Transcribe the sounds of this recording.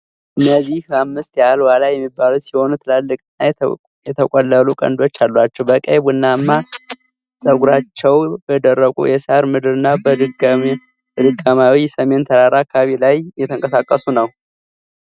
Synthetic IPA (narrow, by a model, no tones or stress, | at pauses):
ʔɨnːəzːihamːɨst̪jalwalajɛmːibːalut̪siho̞nut̪ʰɨlalːɨkʼɨnːa | jɛt̪ʰəkʼolːəlukʼə̰nd̪o̞t͡ʃːalːwat͡ʃːɛwbəkʼəβɨnːamːa | sʼəɡuɾat͡ʃːɛwbəd̪ərːəkʼṵjɛsaɾmɨd̪ɨɾɨnːab | d̪ɨkʼːəmawisəme̞nt̪ʰəɾaɾakʰaβilajjɛt̪ʰəŋkʼəsakʼːəsunəw